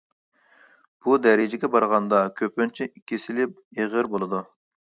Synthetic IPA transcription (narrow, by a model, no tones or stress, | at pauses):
b̥ud̪ɛɾɪd͡ʒɪɡʲɛbɑɾʁɑnd̪ɑkʲʰøpynt͡ʃʰiikʲʰːisɪlɪp | eʁəɾbolˠɨd̪u